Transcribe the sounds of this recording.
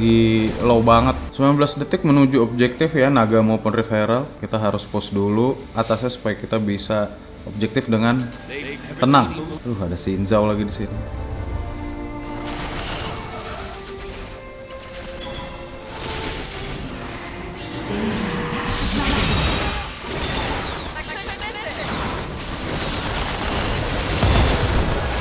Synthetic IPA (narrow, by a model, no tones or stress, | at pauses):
ɡilowbaŋət̪̚səmlanbəlasdət̪ɪk̚mənud͡ʒuob̚d͡ʒɛk̚t̪ɪfjanaɡamaupʊnrifeɾalkit̪aɦaɾʊspʊsdulu | at̪asɲasu̥pajakit̪abisa | ob̚d͡ʒɛk̚t̪ɪfdəŋan | t̪ənaŋdʊɦadasinzawlaɡidisini